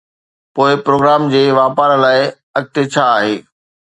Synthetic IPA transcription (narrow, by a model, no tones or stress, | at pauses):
poːɪpɾoːɡɾaːmd͡ʑeːʋaːpaːɾlaːɪ | ɐɡ̚t̪et͡ɕʰaːɦeː